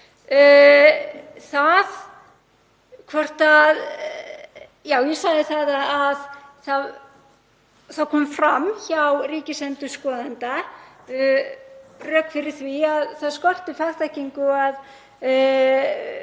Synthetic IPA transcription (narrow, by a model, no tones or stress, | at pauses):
θað | kʰvɔr̥t̪að | jaːwjɛsaɣðɪθat̪aːðθað | θaðkʰɔːmfɾamçawriːcɪsɛnt̪ʏskɔːðant̪a | rœːkfɪɾɪɾ̥θviaðθaðskɔr̥t̪ɪfaxt̪ahciŋkʏað